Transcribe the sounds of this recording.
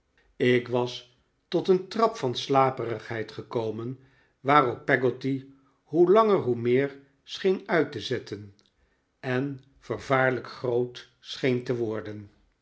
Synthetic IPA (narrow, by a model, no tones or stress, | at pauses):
ɪkʋɑs | tɔtəntrɑpfɑnslaːpərəχɦɛjtχəkowmən | ʋaːrɔpːɛɡoti | ɦulɑŋəɹɦumɪːɹ | sχejnœɥtəzɛtən | ɛn | v̥əɹvaːɹləkχrowt | sχejntəʋɔɹdən